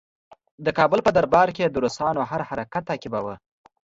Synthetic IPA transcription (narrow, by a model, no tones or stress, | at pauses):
d̪əkɑbʊlpəd̪aɾbɑɾked̪əɾusɑnohaɾhaɾakat̪ːɑkibawə